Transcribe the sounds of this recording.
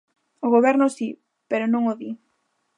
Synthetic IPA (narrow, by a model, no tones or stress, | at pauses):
ʊɣoβɛɾnʊsi | peɾʊnõŋoði